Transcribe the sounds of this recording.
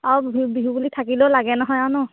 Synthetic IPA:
aɹubiɦubulitʰakilɛlaɡɛnɔɦɔjawnɔ

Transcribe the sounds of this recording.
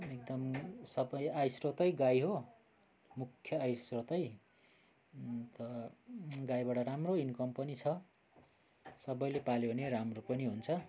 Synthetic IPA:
ek̚d̪ʌmsʌbʌjajsrot̪ʌjɡajɦo | mukʰːjʌajsrot̪ʌj | t̪ʌ | ɡajbaɽʌɾamroinkʌmpʌnit͡sʰʌ | sʌbʌjlepaleneɾamropʌniɦunt͡sʰʌ

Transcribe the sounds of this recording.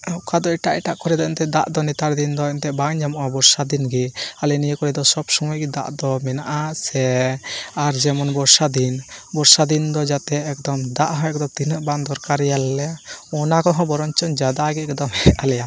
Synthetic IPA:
akad̪ɔiʈaʔɛʈaʔkɔɾɛd̪ɔɛnt̪ɛd̪aʔd̪ɔnit̪aɾd̪ind̪ɔɛnt̪ɛbaŋd͡ʒamɔʔabɔɾsad̪inɡialɛnijəkɔɾɛd̪ɔsɔbsɔmɔjɡid̪a̰ʔd̪ɔmɛnaʔasɛ | aɾd͡ʒɛmɔnbɔɾsad̪inbɔɾsad̪ind̪ɔd͡ʒat̪ɛːk̚d̪ɔmd̪aʔɦɔ̃ɛkd̪ɔt̪inəʔbaŋd̪ɔɾkaɾjalːɛɔnakɔɦɔ̃bɔɾɔnt͡ʃɔnd͡ʒad̪aɡɛɛk̚d̪ɔmɦɛalɛja

